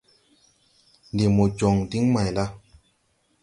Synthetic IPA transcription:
ndi˨mo˨d͡ʒɔ˨ŋdi˦ŋma˨jla˦

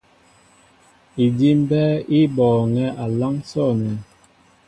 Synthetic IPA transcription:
i˨di˦m˦bɛ˦i˦bɔː˨ŋɛ˦ʔa˨la˦ŋsɔ˦˨nɛ˨

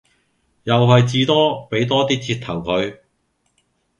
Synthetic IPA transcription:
jɐ˨wɦɐ˨jt͡siː˧t̪ɔː˥pe˨˥jt̪ɔː˥t̪iː˥t͡sʰiː˧t̪ʰɐ˨˩wkʰɵ˨˧ɥ

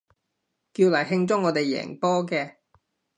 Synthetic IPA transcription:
kiː˧wlaː˨˩jɦɪ˧ŋt͡sʊ˥ŋːɔː˨˧t̪e˨jɛ̰ː˨˩ŋpɔː˥kɛː˧

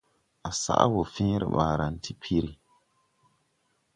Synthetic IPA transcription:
ʔa˨sa̰˦ʔa̰˦wʊ˨fĩː˦ɾɨ̰˨baː˨ɾa˨n˦ti˦pʰi˦ɾi˨

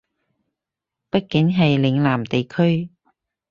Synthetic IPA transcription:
pɐ˥t̚kɪ˨˥ŋɦɐ˨jlɪ˨˧ŋlaː˨˩mt̪e˨jkʰɵ˥ɥ

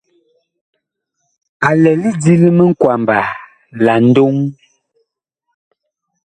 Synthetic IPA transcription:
a˨lɛ˨li˦d͡zi˦li˦mə˦ŋ̩˦kwa˨mba˨ | la˨n̩˦do˦ŋ

